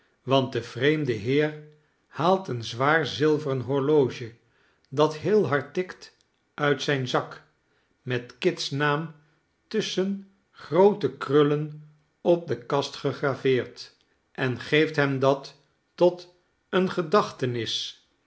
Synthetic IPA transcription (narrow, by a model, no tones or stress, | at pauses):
ʋɑnt̚dəv̥rejmdəɦɪːɹ | haːlˠtənzʋaːɹzɪlˠvərənɦɔɹlowʒə | dɑtɦɪːlˠɦɑɹtɪkt | ʔœɥtsɛjnzɑk | mɛtkɪtsnaːm | tɵsən | χrowtəkrɵlən | ɔp̚dəkɑstχəχravɪːɹt | ʔɛnχejftɦɛmdɑtː | ɔt | ənχədɑχtənɪs